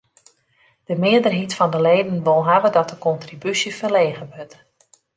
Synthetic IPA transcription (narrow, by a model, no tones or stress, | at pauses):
d̥əmɪədərɦitfɔndəlejdənʋolˠɦavədɔt̚dəkɔntribysjəfərleːɣəʋøt